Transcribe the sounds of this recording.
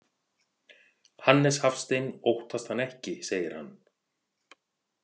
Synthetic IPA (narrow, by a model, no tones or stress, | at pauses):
hanːɛshafst̪ejnowht̪ʰast̪hanːɛhcɪseːjɪɾ̥ha̰nː